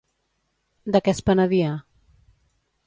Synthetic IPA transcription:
d̪əkɛspənəðia

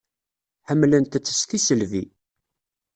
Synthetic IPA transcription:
ħəmːlənt̪æt͡sːə̥st̪isəlvi

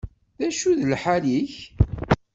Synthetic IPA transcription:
ðæʃuðəlħaliç

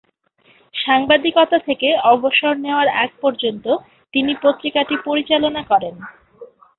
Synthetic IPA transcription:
ʃaŋbad̪ikɔt̪at̪ʰekeɔboʃoɾneoaɾɛ̰k̚pɔɾd͡ʑont̪o | t̪inipot̪ːɾikaʈipoɾit͡ɕalonakɔɾen

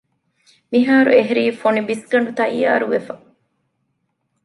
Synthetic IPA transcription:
miɦaːɾṵeɦɾiːfonibisɡɐɳ̆ɖut̪ɐija̰ːɾuʋefɐ

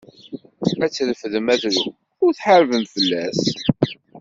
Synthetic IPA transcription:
æt͡sːðəfəðəmæðɾu | ʊɾθħaɾvəmfəlːæs

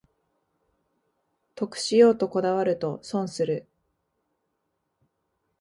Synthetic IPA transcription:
t̪o̞kɯ̟̥ɕijo̞ːt̪o̞ko̞d̪aβ̞aɾɯ̟t̪o̞sõ̞ɰ̃sɨɾɯ̟

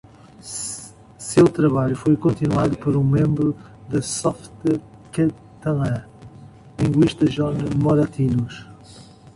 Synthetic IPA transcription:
sewt̪ɾɐβaʎufojkõnt̪inwaðupɐɾũmẽmbɾu | ðɐsɔft̪ | kɐ | t̪ɐlã | lˠĩŋɡwiʃt̪ɐʒɔnɐmɐɾɐt̪inuʃ

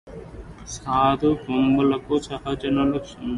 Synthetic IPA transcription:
saːd̪upombulɐkusɐɦɐd͡ʒɐnɐlusun

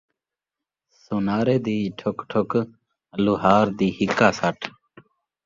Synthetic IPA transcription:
sunaːɾeːd̪iːʈʰokʈʰok | luɦaːɾd̪iːhikaːsaʈʰ

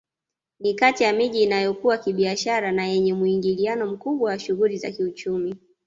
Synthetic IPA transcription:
nikatijamiʄiːnajɔkuwakiɓiaʃaɾanajɛɲɛmuiŋɡilianɔm̩kuɓwawaʃuɣuliza̰kiut͡ʃumi

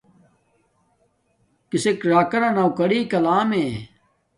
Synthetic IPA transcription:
kisekɾaːkɐɾɐnawkɐɽiːkɐlaːme

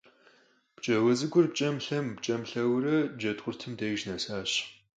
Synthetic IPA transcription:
pt͡ʃʼɐwɐzɨɡʷʊrp̚t͡ʃʼɐmɬɐmpt͡ʃʼɐmɬɐwɾɐd͡ʒɐtqʷʊrtʰɨmdejʒnɐsaːɕ

